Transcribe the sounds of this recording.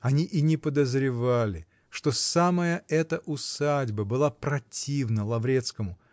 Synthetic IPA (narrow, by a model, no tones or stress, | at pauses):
ɐnʲiʔinʲɪpəd̪əzɾʲɪvalʲɪ | ʂt̪o̞saməjəʔɛt̪əʔʊsadʲbəbɨlˠapɾɐtʲʰivnəlˠɐvɾʲe̞t̪skəmʊ